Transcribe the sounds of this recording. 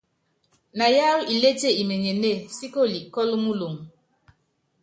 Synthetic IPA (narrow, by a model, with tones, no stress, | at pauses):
na˨ja˦wi˨le˦te˦˨i˨me˨ɲe˨ne˦˨si˦ko˦˨li˨ʔkɔ˦lu˦mu˦lu˨m